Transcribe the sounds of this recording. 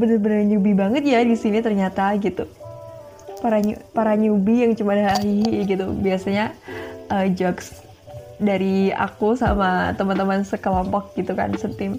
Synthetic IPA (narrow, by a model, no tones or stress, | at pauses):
bənərbənəɲubibaŋət̪̚jadisinit̪ərɲat̪aɡit̪u | paɾaɲṵpaɾaɲubijaŋt͡ʃumadɦaɦijaɡit̪ubiasaɲaʔəd͡ʒɔɡs | daɾia̰kusa̰mat̪əmant̪əmansəkəlɔmpɔk̚ɡ̥it̪uka̰nsənt̪ɪm